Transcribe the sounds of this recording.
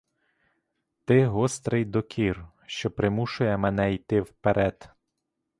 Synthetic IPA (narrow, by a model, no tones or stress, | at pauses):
t̪ɪɦɔst̪ɾɪjd̪ɔkʲʰir | ʃt͡ʃɔpɾɪmuʃʊjɛmenɛijt̪ɪwpeɾʔɛd̪̥